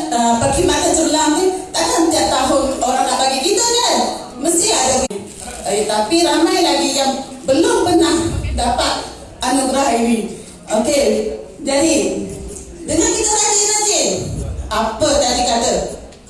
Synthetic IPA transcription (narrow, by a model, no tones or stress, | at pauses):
əbaɡimat̪ət͡ʃərlamnit̪atamt̪iaʔt̪ːaɦʊnoɾaŋnaʔbaɡikit̪ədə | məst̪iadəbi | jt̪apiɾamajlaɡijaŋbəlʊmpənahdapat̪̚ | anuɡɾaɦiwi | oke | d͡ʒadi | dəŋankit̪ət̪ad͡ʒit̪adi | apət̪adikatə